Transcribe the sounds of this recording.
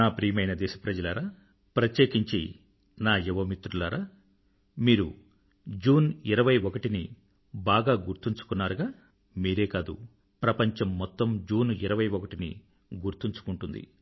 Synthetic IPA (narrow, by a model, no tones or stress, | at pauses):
naːpɾiːmɐjnɐd̪ɛːʃɐpɾɐd͡ʒɐlaːɾaː | pɾɐt̪jeːkiɲt͡ʃi | naːjɛʋɐmit̪ɾulaːɾaː | miːɾu | d͡ʒuːniɾɐʋɐjɔkɐʈini | baːɡaːɡuɾt̪iɲt͡ʃu̥kunːaːɾuɡaː | miːɾe̞ːkaːd̪ṵ | pɾɐpɐɲt͡ʃɐmːɔt̪ːɐmd͡ʒuːniɾɐʋɐjɔkɐʈinḭ | ɡuɾt̪iɲt͡ʃu̥kuɳʈund̪ḭ